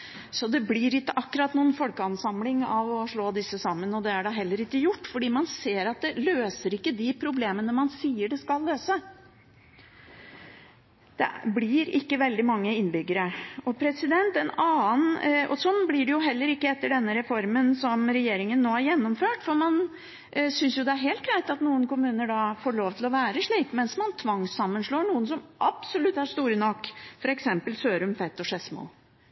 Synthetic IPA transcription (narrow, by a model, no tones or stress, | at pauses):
sɔd̪ɛblɪːɾɪkːəʔɑkːʉɾɑt̪nuːənfɔlkəɑnsɑmlɪŋɑʋɔʂɭoːd̪ɪsːəsɑmːənɔd̪ɛæɖɑɦɛlːəɾɪkːəjʊʈːfɔɖiːmɑnseːɾɑt̪̚d̪ɛløːsəɾɪkːəd̪ɪpʰɾʊbleːmənəmɑnsiːəɖɛskɑlːøːsə | d̪̥ɛ̰blɪɾɪkːəʋɛld̪ɪmɑŋːəɪnbʏɡəɾəɔpʰɾɛsɪd̪ɛnt̪ɛnɑːənɔ̰sɔnːblɪɖɛjʊɦɛlːəɾɪkːəɛt̪ːəɖɛnːəɾɛfɔɾmənsɔmɾɛjeːɾɪŋənːoːhæɾjɛnːɔmføːʈfɔɾmɑn | sʏnsjʊd̪ɛæɾɦeːlt̪̚ɡɾæɪt̪ɑt̪nuːənkʊmʉːnəɖɑfoːɭoːʋt̪ʰɪlɔʋæːɾəʂɭiːkmɛnsmɑnt̪ʰʋɑŋsɑmːənʂɭoːɳuːənsɔmʔɑb̥sɔlʉt̪ːhɑɾʂt̪uːɾənɔkːfɔɾɛksɛmpəlsøːɾʉmfɛt̪ːɔʂɛsmṵː